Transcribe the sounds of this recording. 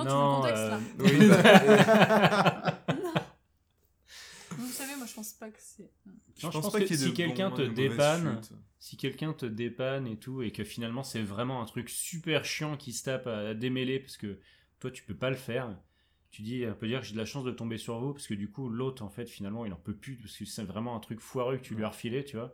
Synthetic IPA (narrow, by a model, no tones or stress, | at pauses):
nɔ̃ø | vusavemwaʒəpɑ̃spakə̥sɛ | nɔ̃ʒ̃pɑ̃spasd̪ikʲɛlkɛ̃t̪əd̪epansikʲɛlkʲɛ̃t̪əd̪epanet̪ʰuekəfinalmɑ̃sɛvʁɛmɑ̃ɛ̃t̪χyksypɛʁʃjɑ̃kʲist̪apad̪emelepaʁsə̥kə | t̪wat̪y̥pøpaləfɛʁ | t̪ʰyd̪iɔ̃pød̪iʁkəʒed̪əlaʃɑ̃sd̪ət̪ɔ̃besyʁvupaʁsə̥kəd̪ykulot̪χɑ̃fɛt̪finalmɑ̃ilɑ̰̃pøplypaʁskəsɛvʁɛmɑ̃ɛ̃t̪χykfwaʁøkət̪ʰylɥyaʁfilet̪yvwa